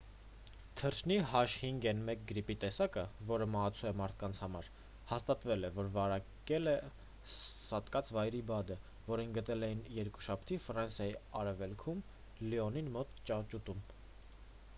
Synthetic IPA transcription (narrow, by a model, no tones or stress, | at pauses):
t̪ʰəɾt͡ʃʰniɦɑʃhiŋɡɛnmɛk̚ɡəɾipit̪ɛsɑkəvɔɾəmɑɦɑt͡sʰuɛmɑɾt̪ʰkɑnt͡sʰhɑmɑɾ | hɑst̪ɑt̪vɛlɛvɔɾvɑɾɑkɛlɛ | sɑt̪kɑt͡sʰvɑjɾibɑd̪ə | vɔɾinɡət̪ɛlɛjinjɛɾku̥ʃɑpʰt̪ʰifɾɑnsjɑjiɑɾɛvɛlkʰum | liɔninmɔt̪t͡ʃɑt͡ʃut̪um